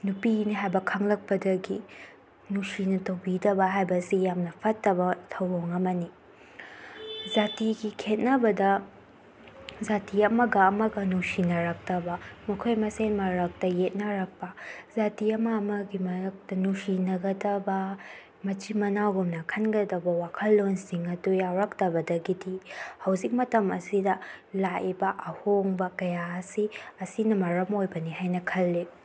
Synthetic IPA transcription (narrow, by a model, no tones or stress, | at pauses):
nupiniɦajbɐkʰɐŋlɐk̚pɐdɐɡi | nusinɐtɐwbidɐbɐɦajbɐsijamnɐpʰɐtːɐbɐtʰɐwoŋɐmɐni | zatiɡikʰet̚nɐbɐdɐ | zatiɐmɐɡɐːmɐɡɐnusinɐɾak̚tɐbɐmɐkʰojmɐsenmɐɾɐk̚tɐjet̚nɐɾɐk̚pɐzatiɐmɐːmɐɡimɐk̚tɐnusinɐɡɐdɐbɐ | mɐt͡ʃimɐnaɡumnɐkʰɐnɡɐdɐbɐwakʰɐlːonsiŋɐdujawɾɐktɐbɐdɐɡidihɐwzik̚mɐtɐmɐsidɐlaʔibɐʔɐhoŋbɐkɐjaɐsiɐsinɐmɐɾɐmojbɐnihajnɐkʰɐlːi